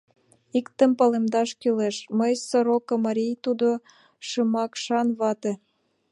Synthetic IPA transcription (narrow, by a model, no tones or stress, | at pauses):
ikt̪ə̆mpɑlemd̪ɑʃkyleʃməjsoɾokomɑɾʲijt̪ud̪o | ʃəmɑkʃɑnβɑt̪ĕ